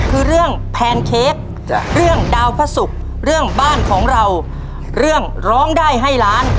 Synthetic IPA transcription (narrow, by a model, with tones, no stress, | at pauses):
kʰɯː˧ɾɯ˥˩əŋpʰɛː˧nkʰeː˦˥k̚ | ɾɯ˥˩əŋdaː˧wpʰa˧˥su˨˩k̚ | ɾɯ˥˩əŋbaː˥˩nkʰɔː˩˦ŋɾa˧w | ɾɯ˥˩əŋ | ɾɔː˦˥ŋdaː˥˩jɦa˥˩jlaː˦˥n